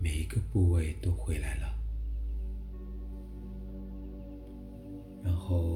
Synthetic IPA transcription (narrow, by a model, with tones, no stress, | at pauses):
me˨˩ɪi˧˥ɡə˧pu˥˧we˥˧ɪt̪o˥ʊxwe˧˥ɪla˧˥˦ɪlə˨ | ɻa˧˥nxo˥˧ʊ